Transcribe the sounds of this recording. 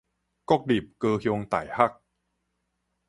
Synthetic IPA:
kɔ˥˩k̚di˨˩p̚kɤː˧kʰjo˧ŋt̪a̰ː˨˩jha˥˩k̚

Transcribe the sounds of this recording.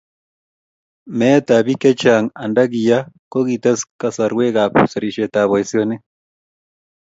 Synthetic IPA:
me˦t̪a˨βi˦ke˦t͡ʃa˨ŋa˨nda˦ɣi˨ja˦ko˦ɣi˨t̪e˦ska˧sa˨ɾwe˦ɣa˨pu˨se˨ɾi˨ʃe˨t̪a˨βo˨e˨sjo˦ne˦

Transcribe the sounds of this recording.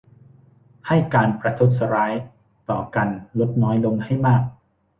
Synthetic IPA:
ha˥˩jkaː˧npɾa˧t̪ʰu˦˥t̪̚sa˧ɾaː˦˥j | t̪ɔː˨˩ka˧nlo˦˥t̪̚nɔː˦˥jlo˧ŋha˥˩jmaː˥˩k̚

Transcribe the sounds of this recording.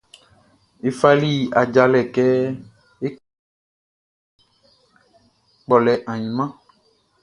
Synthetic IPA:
e˨fa˦li˦a˨d͡ʒa˨lɛ˨kɛ˦ | e˦ | k͡pɔ˨lɛ˨ʔã˨ɲĩ˨mã˦

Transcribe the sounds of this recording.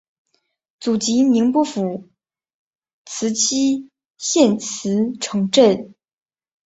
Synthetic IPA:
t͡su˨˩t͡ɕi˧˥ni˧˥ŋpu˥˩fu˨˩ | t͡sʰɹ̩˧˥t͡ɕʰi˥ | ɕjɛ˥˩nt͡sʰɹ̩˧˥ʈ͡ʂʰɤ˧˥ŋʈ͡ʂə˥˩n

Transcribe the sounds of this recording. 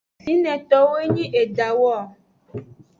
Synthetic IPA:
si˨˦nɛ̃˨t̪ɔ˦we˦ɲĩ˦ʔe˨d͡ʒa˨wɔ˦˨

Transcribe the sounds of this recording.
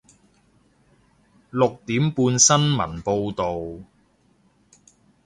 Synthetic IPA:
lʊ˨k̚t̪iː˨˥mpuː˧nsɐ˥nmɐ̰˨˩npo˧wt̪o˨w

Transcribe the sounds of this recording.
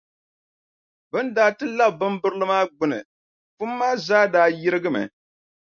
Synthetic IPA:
bɨ˦ndaː˨˦tɨ˦la˦b̚bɨ˦mbɨ˦ɾlɨ˦maː˦ɡ͡bʊ˦nɨ̰˨ | fu˦mːaː˦zaː˦daː˦ji˦ɾɨ˦ɡɨ˦mɨ̰˨

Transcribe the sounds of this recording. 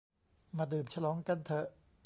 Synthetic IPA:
maː˧˩dɯː˨˩mt͡ɕʰa˧lɔː˨˦˥ŋka˧˨nt̪ʰɤ˧˩

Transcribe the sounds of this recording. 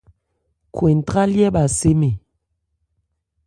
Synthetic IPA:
kwe˨n˨ta˦ljɛ˦ɓa˨se˦me˨

